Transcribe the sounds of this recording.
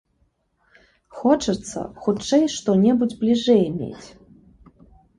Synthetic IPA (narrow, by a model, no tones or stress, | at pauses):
xɔt͡ʂɨt̪sːɐ̰xut͡ʂɛjʂt̪ɔnʲɛbud͡zʲblʲiʐɛjmʲḛt͡sʲ